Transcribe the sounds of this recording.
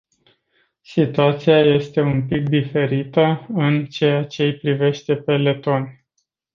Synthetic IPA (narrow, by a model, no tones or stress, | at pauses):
sit̪uat̪siaje̞st̪e̞unpik̚d̪ife̞ɾit̪əɨnt͡ʃe̞jat͡ʃe̞pɾive̞ʃt̪e̞pe̞le̞t̪o̞n